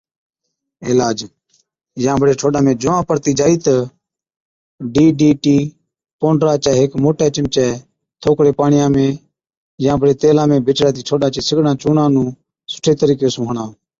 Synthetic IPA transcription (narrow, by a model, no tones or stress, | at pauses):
ɪːlaːd͡ʒ | jãːbəɽeːʈʰoːɗãːmẽːd͡ʒʊʋãːpəɾt̪iːd͡ʒaːiːt̪ə | ɖiːɖiːʈiː | põːɳɖɾaːt͡ʃɛːɦɪkmoːʈɛːt͡ʃɪmt͡ʃɛː | t̪ʰoːkɽeːpaːɳɪjãːmẽː | jãːbəɽeːt̪eːlãːmẽːbɪt͡ʃɾaːt̪̬iːʈʰoːɗãːt͡ʃiːsɪɡnãːt͡ʃuːnãːnũː | sʊ̥ʈʰeːt̪əɾiːkeːsũːɦɳãː